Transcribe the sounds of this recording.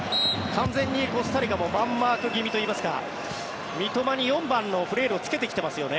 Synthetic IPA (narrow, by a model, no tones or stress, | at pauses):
kʰãnd͡zẽ̞ɲ̟ʲːiko̞sɨ̥t̪aɾʲiɡamo̞mãmːaːkɯ̟ɡʲimʲit̪oiːmasɨ̥ka̰ | mʲit̪o̞maɲ̟ijõ̞mbãnːo̞ɸɯ̟ɾe̞ːɾɯ̟o̞t͡sɨ̥ke̞t̪̬ekʲt̪e̞masɨjo̞ne̞